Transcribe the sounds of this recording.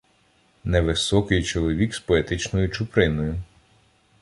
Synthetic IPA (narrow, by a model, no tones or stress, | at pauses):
nɛʋɪsɔkɪjt͡ʃɔlˠɔʋʲikspɔet̪ɪt͡ʃnɔjʊt͡ʃʊpɾɪnɔjʊ